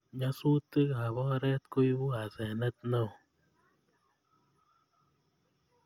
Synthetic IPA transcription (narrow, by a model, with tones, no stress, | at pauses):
ɲa˦su˦t̪ɨ˦ka˨βɔ˦ɾɛ˦t̪ko˦jbu˦a˨zɛ˨nə˦t̪̚na˦˨w